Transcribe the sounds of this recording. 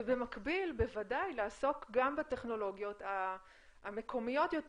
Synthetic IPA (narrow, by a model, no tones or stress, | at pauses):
be̞makbilbe̞vadajlaːso̞kɡambate̞χno̞lo̞ɡjo̞taː | me̞kʰo̞mijo̞tjo̞t